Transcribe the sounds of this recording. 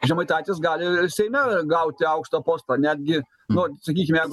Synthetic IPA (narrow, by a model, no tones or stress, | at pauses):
ʒʲɛmɐɪt̪ɑːt̪ʲɪsɡɑːlʲɪsʲɛɪmʲɛɡɐʊt̪ʲɪɐʊkʃt̪oːpoːst̪ɐnʲæːd̪ʲɡʲɪ | nʊsɐkʲiːkʲɪmjæːɡʊ